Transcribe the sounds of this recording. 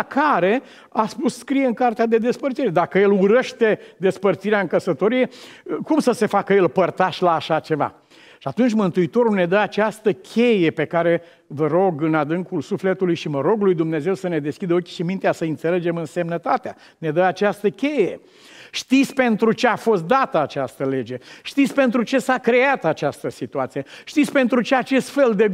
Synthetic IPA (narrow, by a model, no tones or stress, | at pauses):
kʰaɾe̞ | aspusskɾijeɨŋkart̪ead̪e̞d̪e̞spərt̪siɾed̪akəje̞luɾeʃt̪e̞d̪e̞spərt̪siɾeaɨŋkəsət̪o̞ɾije̞kumsəse̞fakəje̞lpərt̪aʃlaːʃat͡ʃe̞va̰ | ʃiat̪unt͡ʃʲmɨnt̪uit̪o̞ɾune̞d̪əat͡ʃast̪əkʲʰe̞je̞pe̞kaɾe̞ | vəɾo̞ɡɨnad̪ɨŋkulsufle̞t̪ulujʃiməɾo̞ɡulujd̪umne̞ze̞wsəne̞d̪e̞skʲid̪əokʲi̥ʃimint̪easəɨnt̪se̞le̞d͡ʒe̞mɨnse̞mnət̪at̪ea | ne̞d̪əat͡ʃast̪əkʲe̞je | ʃt̪it̪sʲpe̞nt̪ɾut͡ʃe̞afo̞st̪̚d̪at̪əat͡ʃast̪əle̞d͡ʒe̞ʃt̪it̪sʲpe̞nt̪ɾut͡ʃe̞sakɾe̞at̪at͡ʃast̪əsit̪uat̪sijet̪it̪sʲpe̞nt̪ɾut͡ʃe̞at͡ʃe̞st̪fe̞ld̪e